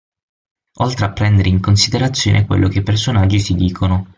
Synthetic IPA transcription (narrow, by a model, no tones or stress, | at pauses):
olt̪ɾeapːɾɛnd̪eɾeiŋkonsid̪eɾat̪sːjo̰ːnʔekwḛlːok̟epːersonad͡ʒːisid̪iːkʰono